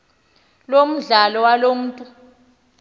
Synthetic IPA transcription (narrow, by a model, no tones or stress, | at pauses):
lom̩ɮalɔwalom̩ːtʼu